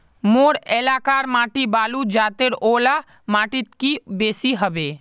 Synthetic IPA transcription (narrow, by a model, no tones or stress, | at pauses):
moːɾɛːlaːkaːɾmaːʈibaːlud͡ʒaːt̪eɾoːla | maːʈɪt̪kibeːsiɦəbeː